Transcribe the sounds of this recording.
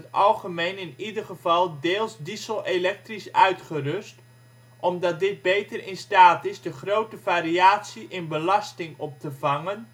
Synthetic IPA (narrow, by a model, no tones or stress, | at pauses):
tɑlˠχəmejnɪnidərχəvɑlˠdeːlˠsdisəlˠelɛk̚trisœɥtχərʏst | ʔɔmdɑt̚dɪt̚bejtərɪnstaːtɪzdəχrowtəvaːɾiaːtsiʔɪnbəlɑstɪŋɔp̚təvɑŋən